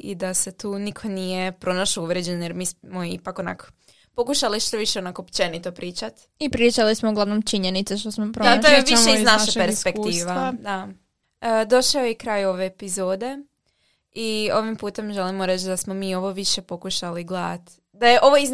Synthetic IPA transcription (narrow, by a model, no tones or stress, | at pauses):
ḭd̪ase̞t̪uːnikʰo̞nije̞pɾo̞naʃouʋɾed͡ʑenjeɾmiːsmoḭpakona̰ko̥ | po̞kuʃaliʃt̪oʋiʃeonakopt͡ʃenit̪opɾiːt͡ʃat̪ | ipɾiːt͡ʃalismouɡlaʋnomt͡ʃiɲenit̪seʃt̪osmopɾot̪ojeʋiʃʃeiznaʃeʃpeɾsspek̪iːʋaad̪a | d̪o̞ʃaojekɾaːjo̞ʋe̞ːpizoːd̪e̞ | io̞ʋimpuːt̪e̞mʒelimoɾe̞t͡ʃd̪asmomiːo̞ʋo̞ʋiʃe̞po̞kuʃaliɡlat̪ | d̪ajeʔo̞ʋoiz